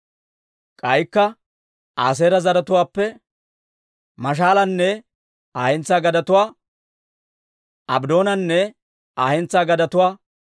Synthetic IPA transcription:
kʼɐjkːɐ | aːs̬eːɾɐzɐɾɐt̪ʊwaːpːɛ | mɐʃ̬aːlɐnːɛ | aːhɛnt͡sːaːɡɐd̪ɐt̪ʊwaː | ʔɐbd̪o̞ːnɐnːɛ | aːhɛnt͡saːɡɐd̪ɐt̪ʊwaː

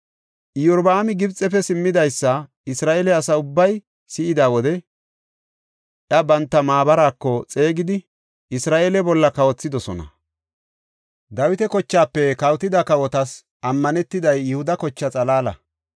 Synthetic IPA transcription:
ʔɪjɔɾbaːmɪɡɪbt͡sʼːɛpɛsɪmːɪd̪ɐjsːɐ | ɪsɾaːʔeːlɛɐsɐʊbːɐj | sɪɪd̪aːwɔd̪ɛ | ʔjɐbɐnt̪ːɐmaːbɐɾaːkːɔt͡sʼe̞ːɡɪd̪ɪ | ʔɪsɾaːʔeːlɛbɔlːɐkɐwɔt͡sːɪd̪ɔsɔnɐ̰ | d̪ɐwɪt̪ɛkɔt͡ʃːaːpːɛkɐwt̪ɪd̪ɐkɐwɔt̪ɐs | ʔɐmːɐnɛt̪ːɪd̪ɐjːʊhʊd̪ɐkɔt͡ʃːɐt͡sʼɐlaːlɐ̰

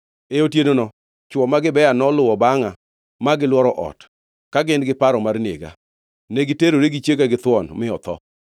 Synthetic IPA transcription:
eotjenonɔ | t͡ʃwɔmaɡɪbɛjanɔlʊwɔbaŋa | maɡɪlwɔɾɔʔɔ̰t | kaɡɪnɡɪpaɾɔmarnḛɡa̰ | nɛɡɪteɾoɾeɡit͡ʃjekaɡɪt̪wɔnmɪɔt̪ɔ̰

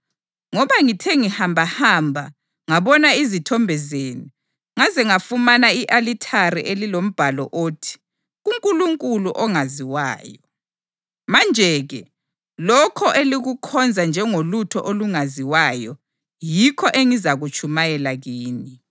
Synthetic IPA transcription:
ŋɔβaŋitʰeŋihambʱahaːmbʱa | ŋaβɔnaizitʰɔmbʱɛzeːni | ŋazɛŋafumanaiʔalitʰaɾḭʔelilom̩b̥ʱalɔ̰ʔoːtʰi̥ | ɣuŋkʼuluŋkʼuluʔɔŋaziwaːjɔ | mand͡ʒʱɛɣɛ | lɔkʰɔʔeliɣukʰɔnd͡zʱand͡ʒʱɛŋolutʰɔ̰ʔoluŋaziwaːjɔ | jikʰɔʔeŋizaɣut͡ʃʼʰumajɛlaɣiːni

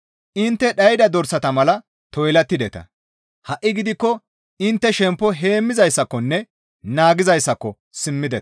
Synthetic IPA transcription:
ʔɪnt̪ːɛɗɐjd̪ɐd̪ɔɾsɐt̪ɐmɐlɐ | t̪ɔjlɐt̪ːɪd̪ɛt̪ɐ̰ | hɐʔːɪɡɪd̪ɪkːɔ | ɪnt̪ːɛʃɛmpːɔɦe̞ːmːɪzɐjsːɐkːɔnːɛ | naːɡɪzɐjsːɐkːɔ | sɪmːɪd̪ɛt̪

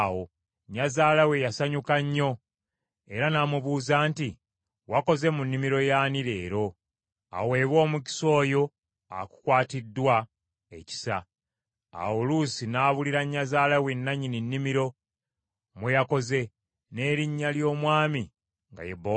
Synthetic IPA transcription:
wo̞ | ɲːazaːlawe̞jasaɲukaɲːo̞ | e̞ɾanamuβuːzaːnti | wako̞ze̞munːimiɾo̞jaːniɾe̞ːɾo̞ | a̰we̞ːβwo̞ːmuci̥so̞ːjo̞ | a̰ku̥kwaːtidːwa | ḛci̥sa̰ | a̰wolusinaːβuliɾaɲːazaːlawenːaɲininːimiɾo̞ | mwejako̞ze̞ | ne̞ːɾiɲːaljo̞ːmwaːmi | ŋɡa̰jebo

